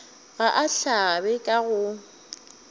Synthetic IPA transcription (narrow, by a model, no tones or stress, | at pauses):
ɣaʔaɬabɛkʼaɣʊ